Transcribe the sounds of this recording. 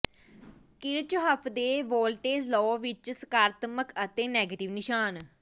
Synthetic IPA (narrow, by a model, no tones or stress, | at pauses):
kɪɾt͡ʃɦəpʰd̪eːʋoːlʈeːzlɔːʋɪt͡ʃsə̥kaːɾət̪məkət̪eːnɛːɡeːʈɪʋnɪʃaːn